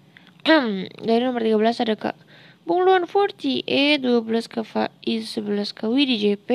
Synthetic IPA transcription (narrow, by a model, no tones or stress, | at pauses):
ʔmdaɾinɔmərt̪iɡabəlasadaka̰ʔ | buŋluanfɔrt̪iʔɛduabəlaskafaisəbəlaskawidid͡ʒɛpe